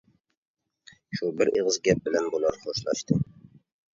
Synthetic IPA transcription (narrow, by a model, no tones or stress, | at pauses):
ʃubɪɾeʁəzɡʲɛp̚bɪlɛnbolˠɑɾχoʃlˠɑ̰ʃt̪ʰɨ